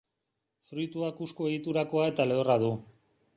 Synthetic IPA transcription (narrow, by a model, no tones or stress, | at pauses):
fɾujt̪uakuskoe̞ɣit̪uɾako̞ae̞t̪ale̞oraðu